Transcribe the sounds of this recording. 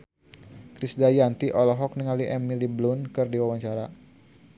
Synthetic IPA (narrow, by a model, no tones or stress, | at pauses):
kɾisdajant̪iʔɔlɔɦɔk̚niŋaliʔɛmːiliblʊnkɨrdiwawaɲt͡ʃaɾa